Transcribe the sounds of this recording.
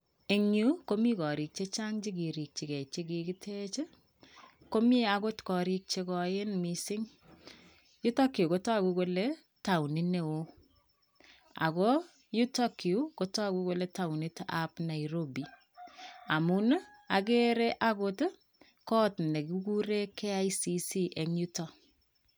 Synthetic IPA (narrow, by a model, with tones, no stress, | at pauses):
e˨ŋu˦ko˦mi˦kɔ˨ɾi˨k̚t͡ʃe˦t͡ʃa˦ŋt͡ʃi˦ɡi˨ɾi˨k̚t͡ʃi˨kɛ˨t͡ʃe˦ki˨kɪ˦tʰe˦t͡ʃe˦ | ko˦mi˦a˦ko˦tkɔ˨ɾi˦k̚t͡ʃekɔ˨jɪ˦nmi˨sɪ˦ŋ | ju˦ta˦ki˨u˨ko˦ta˦ku˦ko˦le˦ | ta˨wni˦ne˨o˦ | a̰˨kɔ˦ | ju˦ta˦ki˨u˦ko˦tɔ˦a˦ku˦ko˦le˦ta˨wni˦ta˨pna˨iɾo˦bi˨ | a˨mu˦n˦ | a˨k̬e˦ɾe˦ʔako˦t | kɔ˦tne˨kuku˦ɾe˦kːe˦a˦jisi˦si˦ʔɛ˨ŋju˦tɔ˨